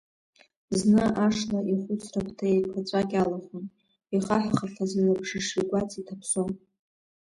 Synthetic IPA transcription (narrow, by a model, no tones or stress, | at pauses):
znɨʔaʂlaʔiχʷʊt͡sʰrapʰtʰaekʷʰat͡sʷʼakʲalaχʊn | iχaħʷᶣχaɬazalabʐɨʂiɡʷat͡sʼitʰapʰson